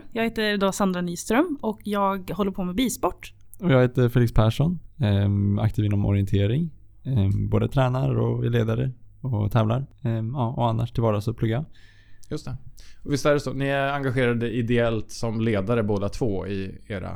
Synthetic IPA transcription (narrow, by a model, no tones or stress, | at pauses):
jɑɡheːt̪əɾd̪oːsand̪ɾaniːst̪ɾœmɔkjɑːɡhɔlːəɾpʰoːmɛbiːspɔʈː | ɔjɑːɡheːt̪əɾfeːlɪkspʰæːʂɔn | a̰k̚t̪ʰiːvɪnːɔmʔɔ̰ɾɪɛnt̪ʰeːɾɪŋ | boːd̪ət̪ʰɾɛːnaɾɔɛleːd̪aɾəɔt̪ʰɛːvlaɾɑːʔɔanːa̰ʂʈʰɪlvɑːɾasɔpʰlɵɡːaja | jɵst̪ɛɔvɪst̪æɾɛsɔnɪæɾaŋɡaɧeːɾad̪əʔɪd̪ɛɛlt̪sɔmleːd̪aɾəboːd̪at̪ʰvoːɪeːɾa̰